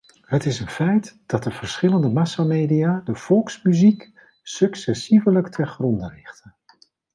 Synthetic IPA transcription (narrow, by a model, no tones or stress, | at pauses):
ɦətɪsənfɛjtd̥ɑt̚dəv̥əɹsχɪləndəmɑsamejdijaːdəv̥ɔlˠksmyzik | sɵksɛsivələktʰəχrɔndərɪχtən